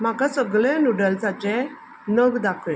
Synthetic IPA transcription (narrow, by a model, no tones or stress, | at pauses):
m̤akasəɡɭenuɽəlt͡sat͡ɕɛ | nəɡd̪akʰɭẽ